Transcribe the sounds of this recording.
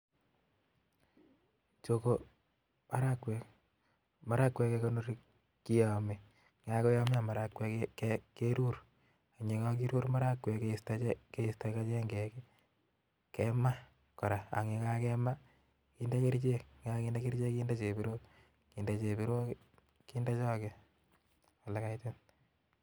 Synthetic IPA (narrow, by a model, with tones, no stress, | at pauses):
t͡ʃo˨ko | ma˦ɾakwɛ˨k | ma˨ɾa˦kːwɛ˧keko˦no˦ɾi | ki˦jɔ˨mi˨ | ŋa˦ko˦jɔ˦m˦a˨ma˨ɾa˦kwɛ˦keke˦ɾu˦ɾ | a˨ɲe˨ka˦k̬i˦ɾu˦ɾma˦ɾa˦kwɛ˨kestaɛke˦ista˨ka˦t͡ʃɛ˦ŋɡɛ˨ke˦ | kɛma˦ | kɔ˨ɾa˨a̰˨ŋe˨ka˦kɛma˦ | ki˦nda˦ki˦ɾt͡ʃe˦k̚ŋa˦ki˦nda˦ki˦ɾt͡ʃe˦ki˦nda˦t͡ʃe˨bi˦ɾo˦ | ki˨nda˨t͡ʃe˨bi˦ɾo˦ | ki˦nda˦t͡ʃɔ˦ke | a˨la˨ka˦ite˦n